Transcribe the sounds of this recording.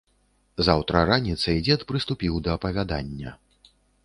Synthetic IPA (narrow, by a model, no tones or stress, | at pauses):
zawt̪ɾɐɾanʲit̪sɐid͡zʲɛt̪pɾɨst̪upʲiwd̪ɐːpɐvʲad̪a̰nʲːɐ̰